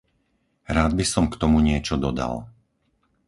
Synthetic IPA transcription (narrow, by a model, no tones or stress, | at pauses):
ɾaːd̪̚bisɔmkt̪ɔmuɲɪɛt͡ʃɔd̪ɔd̪a̰l